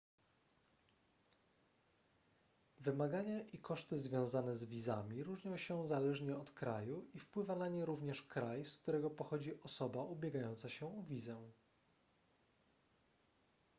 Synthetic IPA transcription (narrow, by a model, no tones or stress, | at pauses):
vɘmaɡaɲaʔikɔʂt̪ɘzvʲjɔ̃w̃zanɛzvʲizamʲiɾuʐɲɔ̃w̃ɕɛzalɛʐɲɛɔt̪kɾajuʔifpwɘvanaɲɛɾuvɲɛʂkɾajskt̪uɾɛɡɔpɔxɔd͡ʑiʔɔsɔbaubʲjɛɡajɔnt̪saɕɛuvʲizɛ